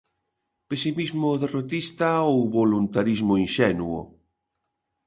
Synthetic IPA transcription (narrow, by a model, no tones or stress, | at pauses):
pesimizmoðerot̪ist̪aowβolunt̪aɾizmoinʃɛnuʊ̰